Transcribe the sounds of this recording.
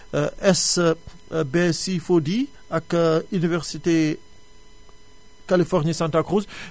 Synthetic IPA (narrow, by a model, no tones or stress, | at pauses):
ɛs | besifod̪i | akynivɛʁsit̪e | kalifɔʁnisɛ̃nt̪akʁuz